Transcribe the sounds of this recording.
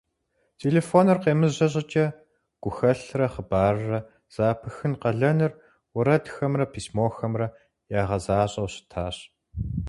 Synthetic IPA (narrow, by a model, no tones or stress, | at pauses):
tʰeːleːfoːnɨrqeːmɨzʑɐɕʼɐt͡ʃʼɐ | ɡ̥ʷʊxɐɬrɐχəbaːrrɐ | z̥aːpʰɨxɨnqɐɮɐnɨr | wʊɾɐdxɐmrɐpʰiːsmoːxɐmrɐ | jaːʁɐzaːɕʼɐwɕɪ̥tʰaːɕ